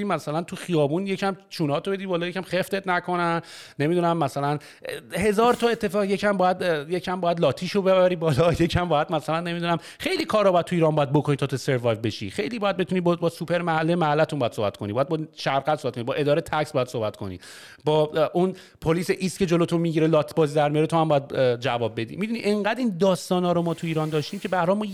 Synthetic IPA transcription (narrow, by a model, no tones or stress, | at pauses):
imæsælænt̪ʰuxijɒːbunjecʰæmt͡ʃʰuːnɒːt̪ʰobe̞d̪ibɒːlɒːjecʰæmχeft̪e̞t̪nækʰo̞nænː | e̞mid̪uːnæmːæsælæn | he̞zɒːɾt̪ʰɒe̞t̪ːe̞fɒːɣjecʰæmbɒːjæd̪jecʰæmbːjæd̪lɒːt̪ʰiːʃobeβæɾiːbɒːlɒje̞cʰæmbɒːjæd̪mæsælænːe̞mid̪unæm | xe̞jliːkʰɒːɾɒbɒjæd̪̚t̪ʰuiːɾɒːnbɒːjæd̪bokʰoniːt̪ʰɒːt̪ʰose̞ɾvɒjvbe̞ʃḭxe̞jliːbɒːjæd̪̚be̞t̪unibbɒːsupʰe̞ɾmæhælːimæhælːæt̪ʰumbɔjæd̪sobæ̰t̪̚ko̞nibɒːjæd̪bɒʃæɾɡæt̪sobæt̪konibɒːʔe̞d̪ɒːɾet̪ʰæcsbɒːjæd̪sohbæt̪kʰo̞nḭ | bɒːun | pʰoliːseʔiːskʰe̞d͡ʒo̞lot̪ʰomiɟiɾelɒːt̪ʰbɒːziːd̪æɾmijɒɾet̪ʰohæmbɒːjæd̪d͡ʒævɒːb̚be̞d̪ḭmiːd̪uniʔeŋɢæd̪iːnd̪ɒːst̪ɒːnɒːɾomɒːt̪ʰuiːɾɒnd̪ɒːʃt̪iːmcʲʰe̞bæɾhɒːmun